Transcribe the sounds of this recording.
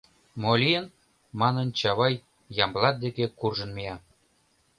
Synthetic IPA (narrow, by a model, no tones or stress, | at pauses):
molʲiən | mɑnənt͡ɕɑβɑj | jɑmblɑt̪̚d̪ekekurʒə̆nmijɑ